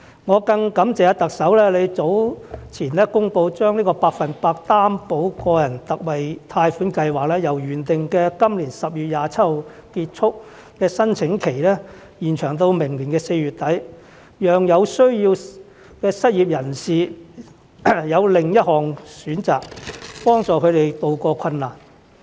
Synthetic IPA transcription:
ŋɔː˨˧kɐ˧ŋkɐ˨˥mt͡sɛː˨˧t̪ɐ˨k̚sɐ˨˥wlɛː˥le˨˧jt͡so˨˥wt͡sʰiː˨˩nɛː˥kʊ˥ŋpo˧wt͡ʃœː˥ŋliː˥kɔː˧paː˧k̚fɐ˨npaː˧k̚t̪aː˥mpo˨˥wkɔː˧jɐ˨˩nt̪ɐ˨k̚wɐ˨jt̪ʰaː˧jfuː˨˥nkɐ˧jwaː˨k̚lɛː˥jɐ˨˩wjyː˨˩nt̪ɪ˨ŋkɛː˧kɐ˥mliː˨˩nsɐ˨p̚jyː˨t̚jaː˨˧t͡sʰɐ˥t̚ho˨˧w | kiː˧t̚t͡ʃʰʊ˥k̚ | kɛː˧sɐ˥nt͡sʰɪ˨˥ŋkʰe˨˩jlɛː˥ | jiː˨˩nt͡ʃʰœː˨˩ŋt̪̬o˧wmɪ˨˩ŋliː˨˩nkɛː˧se˧jɥyː˨˩t̚t̪ɐ˨˥j | jœː˨ŋjɐ˨˧wsɵ˥ɥjiː˧w | kɛː˧sɐ˥t̚jiː˨p̚jɐ˨˩nsiː˨ | jɐ˨˧wlɪ˨ŋjɐ˥t̚hɔː˨˩ŋsyː˨˥nt͡saː˨k̚pɔː˥ŋt͡ʃɔː˨kʰɵ˨˧t̪e˨˩jt̪o˧wkɔː˧kʰɐ˧nlaː˨˩n

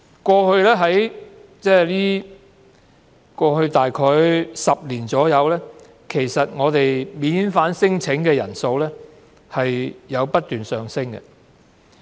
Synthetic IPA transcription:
kʷɔː˧hɵ˧ɥlɛː˥ɦɐ˨˥jt͡sɛː˥liː˥ | kʷɔː˧hɵ˧ɥt̪aː˨jkʰɔː˧jsɐ˨p̚liː˨˩nt͡sɔː˨˥jɐ˨˧wlɛː˥ | kʰe˨˩jsɐ˨t̚ŋɔː˨˧t̪e˨jmiː˨˥nfaː˨˥nsɪ˥ŋt͡sʰɪ˨˥ŋkɛː˧jɐ̰˨˩nso˧wlɛː˥ | hɐ˨jjɐ˨˧wpɐ˥t̚t̪yː˨nsœː˨˩ŋsɪ˥ŋkɛ̰˧

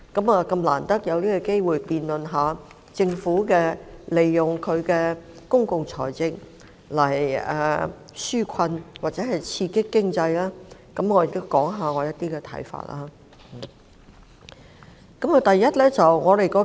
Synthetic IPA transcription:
kɐ˨˥maː˨˧kɐ˧mla̰ː˨˩nt̪ɐ˥k̚jɐ˨˧wliː˥kɔ˧ke˥jwuː˨jpiː˨nlɵ˨nɦaː˨˧ | t͡sɪ˧ŋfuː˨˥kɛː˧le˨jːʊ˨ŋkʰɵ˨˧ɥkɛː˧ | kʊ˥ŋkʊ˨ŋt͡sʰɔ̰ː˨˩jt͡sɪ˧k̚ | lɐ˨˩jɛː˨˩ | syː˥kʰɐ˧nwaː˨k̚t͡sɛː˨˥ɦɐ˨jt͡sʰiː˧kɪ˥kːɪ˥ŋt͡sɐ˧jlaː˥kɐ˨˧˥mŋɔː˨˧jɪ˨k̚t̪o˥wkɔː˨˥ŋɦaː˨˧ŋɔː˨˧jɐ˥t̚t̪iː˥kɛ˧t̪ʰɐ̰˨˥jfa̰ː˧˨t̚la̰ː˥˨˩ | kɐ˨˥mɐ˨˩t̪ɐ˨jːɐ˥t̚lɛː˥t͡sɐ˨wŋɔː˨˧ɾe˨˩jkɔː˧˥

